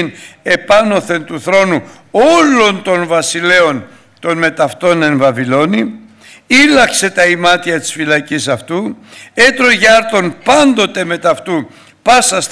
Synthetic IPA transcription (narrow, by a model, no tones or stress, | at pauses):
ne̞pɐno̞θe̞nt̪uθɾo̞nu | o̞lo̞nt̪o̞nvɐsile̞o̞n | t̪o̞nme̞t̪ɐft̪o̞ne̞nvɐvilo̞ni | ilɐkse̞t̪ɐimɐt̪iɐt̪i̥sfilɐcisɐft̪ue̞t̪ɾo̞ʝɐɾt̪o̞npɐnd̪o̞t̪e̞me̞t̪ɐft̪u | pɐsɐs